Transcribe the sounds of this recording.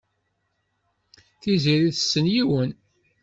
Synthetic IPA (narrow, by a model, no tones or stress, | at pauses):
θiziɾiðəsːənjiwən